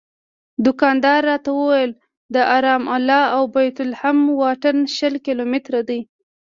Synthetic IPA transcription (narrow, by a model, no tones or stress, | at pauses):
d̪ʊkɑnd̪ɑɾːɑt̪awəwajəl | d̪əʔɑɾɑmalɑawbajt̪ʊlhamwɑʈanʃəlkɪlomɪt̪ɾad̪əj